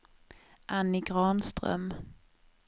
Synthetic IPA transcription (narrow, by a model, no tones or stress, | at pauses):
ʔanːɪɡɾɑːnst̪ɾœ̰m